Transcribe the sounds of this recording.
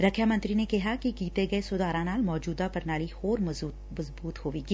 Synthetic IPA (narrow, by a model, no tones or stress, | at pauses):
ɾɐkʰːjamɐ̃nt̪ɾinekɪɦakikiːt̪eɡɐesʊd̪aːɾãnaːlmɔːd͡ʒuːd̪apɐɾnaːlihoːɾmɐ | mɐzbuːt̪hoːʋiɡiː